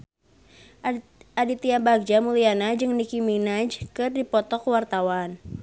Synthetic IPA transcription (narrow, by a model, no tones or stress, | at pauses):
ʔadit̪iabaɡ̚d͡ʒamulianad͡ʒɨŋnikiminad͡ʒkɨrdipɔt̪ɔkwart̪awan